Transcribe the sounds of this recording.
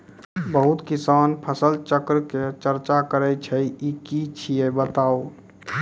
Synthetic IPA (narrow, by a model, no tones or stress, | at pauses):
bəɦut̪kisaːnpʰəsəlt͡ʃəkɾket͡ʃəɾt͡ʃakəɾɛt͡ʃʰɛikit͡ʃʰiebət̪aːo